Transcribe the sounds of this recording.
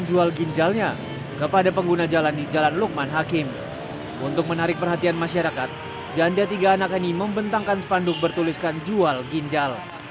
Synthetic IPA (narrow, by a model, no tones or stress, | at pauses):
nd͡ʒualɡiɲd͡ʒalɲa | kəpadapəŋɡunad͡ʒalandid͡ʒalanluk̚manɦakɪm | ṵnt̪ʊk̚mənaɾɪk̚pərɦat̪ianmaʃaɾakat̪̚ | d͡ʒaandiat̪iɡaːnakaniməmbənt̪aŋkansə̥pandʊk̚bərt̪uliskand͡ʒualɡiɲd͡ʒal